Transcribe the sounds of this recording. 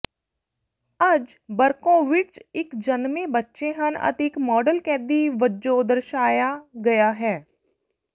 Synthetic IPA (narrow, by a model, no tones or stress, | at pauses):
əd͡ʒ | bəɾkõːʋɪt͡ʃɪkd͡ʒənmẽːbətːʃeːɦənə̰t̪eɪkmɔːɖəlkɛ̃ːd̪iːʋəd͡ʒoːd̪əɾʃaːjaːɡəjaːɦɛː